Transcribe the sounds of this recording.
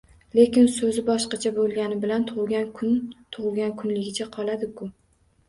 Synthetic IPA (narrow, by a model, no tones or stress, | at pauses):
lekʲɪnsɵzɪbɒʃqɑt͡ʃʰabolˠɡʲanɪbɪlant̪ʰʊʁɡʲat̪ʰʊʁlˠɡʲankʰʊnlɪɡʲɪt͡ʃʰaqʰɒlˠad̪ɪkʰʊ